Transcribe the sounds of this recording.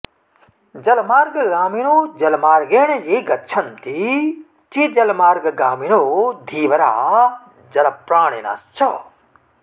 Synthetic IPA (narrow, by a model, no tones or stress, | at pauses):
d͡ʒɐlmaːɾɡɡaːminod͡ʒɐlmaːɾɡeːnejeːɡɐtt͡ʃʰɐnt̪i | tʰid͡ʒɐlmaːɾɡɡaːminod̪ʱiːʋɐɾa̰ː | d͡ʒɐlɐpɾaːɽ̃ḛna̰st͡ʃʰɔ